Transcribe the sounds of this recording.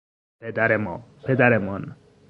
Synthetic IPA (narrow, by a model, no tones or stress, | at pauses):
ped̪aɾemɔ̰pʰed̪aɾemɔn